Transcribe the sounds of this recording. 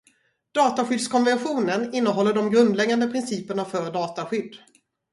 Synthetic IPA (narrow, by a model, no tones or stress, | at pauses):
d̪̥ɑːt̪aɧʏd̪skʰɔnvɛnɧuːnənɪnːəɦɔlːəɖɔmɡɾɵnd̪lɛɡand̪əpʰɾɪnsiːpəɳafœɾɖɑːt̪aɧʏd̪ː